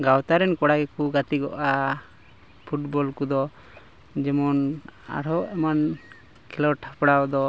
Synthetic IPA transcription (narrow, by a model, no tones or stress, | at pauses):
ɡawt̪aɾɛnkɔɽaɡɛkuɡat̪iɡɔ̰ʔa | pʰuʈbɔlkud̪ɔ | d͡ʒɛmɔna̰ɽɔʔɛman | kʰɛlɔʈʰapɽad̪ɔ